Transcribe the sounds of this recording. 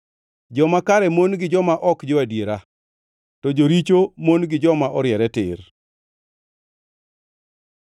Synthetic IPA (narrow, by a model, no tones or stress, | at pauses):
d͡ʒɔmakaɾɛmonɡɪd͡ʒɔmaʔɔkd͡ʒɔwadjeɾa | tɔd͡ʒoɾit͡ʃomonɡɪd͡ʒɔmaʔɔɾjɛɾɛtɪ̰r